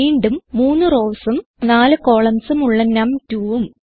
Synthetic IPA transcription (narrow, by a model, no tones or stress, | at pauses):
iːɳɖumːuːnːɨro̞ːsum | naːlɨko̞ːɭɐmsumuɭːɐnɐmtuːʋum